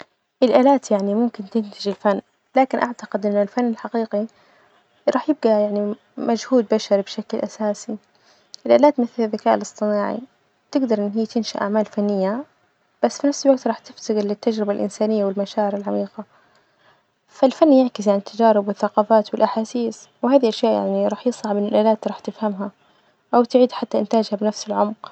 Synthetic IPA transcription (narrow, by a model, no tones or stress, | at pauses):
ʔɪlʔaːlaːt̪jaʕnimʊmkɪnt̪ɪnt̪ad͡ʒɪlfanː | laːkɪnʔaʕt̪aqɪd̪ʔɪnːʊlfanːɪlħaqiːqi | ɾˤɑːħjɪb̚ɡajaʕni | mad͡ʒhuːd̪̚baʃɑɾˤbʃaklʔasaːsi | ʔɪlʔa̰ːlaːt̪mɪθlðːakaːʔɪlɨsˤt̪ˤɨnaːʕḭ | t̪ɪɡd̪ɑɾˤʔɪnːɦijːt̪ɪnʃa̰ʔa̰ʕmaːlfanːɪjːa | b̥asːfinafsɪlwaɡt̪ɾˤɑːħt̪ɪft̪ɪɣɪlɪt̪ːad͡ʒɾɪbalʔɪ̰nsaːnɪjːawɪlmaʃaːʕɪɾalʕamiːqa | falfanːjaʕkɪs̬jaʕanɪt̪ːad͡ʒaːɾɪbwɪθːaqɑːfaːt̪wɪlʔaħaːsiːs | wɪhaːðiʔaʃjaːʔja̰ʕniɾˤɑːħjɨsˤɑʕbʔɪnːɪlʔaːlaːt̪ɾˤɑːħt̪ɪfhamɦa | ʔawt̪ɪʕiːd̪ħat̪ːaʔɪnt̪aːd͡ʒhabɪnafsɪlʕʊmq